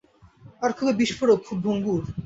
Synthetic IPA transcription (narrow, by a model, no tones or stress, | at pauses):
aɾkʰubebiʃfoɾok̚kʰubbʱoŋɡuɾ